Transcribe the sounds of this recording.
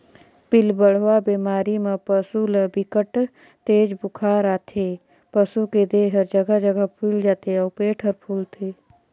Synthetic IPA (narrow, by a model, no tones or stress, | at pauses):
pɪlbəɽ̤ʋabeːmaːɾimãpəsuləbɪkəʈ | t̪eːd͡ʒbʊkʰaːɾaːt̪ʰeː | pəsuked̪eːɦəɾd͡ʒəɡad͡ʒəɡapʰuld͡ʒaːt̪eɔːɾpeːʈʰəɾpʰuːlt̪ʰeː